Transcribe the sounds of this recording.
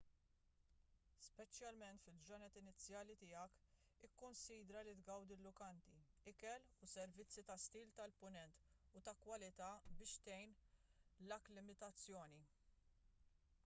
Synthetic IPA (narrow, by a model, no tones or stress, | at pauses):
spɛt͡ʃjɐlmɛnt̪fɪld͡ʒɔnɛt̪ɪnɪt͡sːjɐːlit̪ɪjɐk | ɪkːʊnsiːd̪ɾɐlit̪ɡɐwd̪ɪlːʊkɐnt̪iɪkɛlusɛɾvɪt͡sːit̪ɐst̪iːlt̪ɐlpʊnɛnt̪ʊt̪ɐkwɐlɪt̪ɐːbɪːʃt̪ɛjn | lɐklɪmɪt̪ɐt͡sːjɔːni